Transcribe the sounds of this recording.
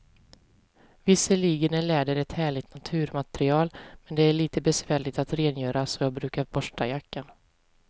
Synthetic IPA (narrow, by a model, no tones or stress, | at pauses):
vɪsːəliːɡənæɭɛːd̪əɾɛt̪hæːɭɪɡt̪nat̪ʰʉ̟ːɾmat̪ɾɪɑːlmɛnd̪ɛæɭiːt̪əbɛsvæːɭɪt̪at̪ɾeːnjœːɾasɔjɑːɡbɾʉ̟ːkaɾbɔʂʈajakːan